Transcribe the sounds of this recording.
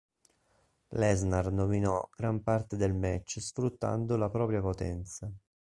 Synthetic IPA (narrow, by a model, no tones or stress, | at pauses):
lɛznarnominɔɡ̥ɾampart̪ed̪elmɛt͡ʃːsfɾut̪ːa̰nd̪olapɾɔːpɾjapot̪ɛ̰nt̪sa